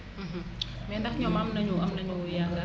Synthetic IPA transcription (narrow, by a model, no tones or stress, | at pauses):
m̩ɦ̩ | mɛnd̪ahɲɔmamnaɲuamnaɲujaŋɡa